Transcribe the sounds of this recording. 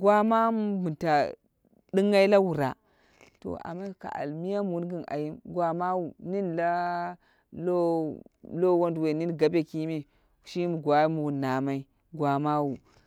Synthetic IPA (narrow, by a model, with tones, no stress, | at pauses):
ɡwa˦ma˦m˦bu˨nta˨ | di˦ŋa˦i˦la˦wu˨ɾa˨ | to̰˨a̰˨mːa˦ka̰˨ʔa̰˨lmi˦ja˦m˨u˦nɡi˦na̰˨ji˦mɡwa˦ma˦wu˨ni˦nla˦ | lo˦lo˦wo˦ndwe˨ni˦nɡa˨be˦ki˦mi˦˨ | ʃi˦mu˨ɡʷa˦mu˨wu˨na˨ma˦i˦ | ɡwa˨ma˦wu˨